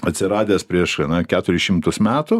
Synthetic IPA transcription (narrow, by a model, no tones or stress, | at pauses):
ɐt̪ʲsʲɪɾɑːd̪ʲeːspʲɾʲiɛʃɐnɐkʲæːt̪ʊɾʲɪʃʲɪmt̪ʊsmʲæːt̪ʊ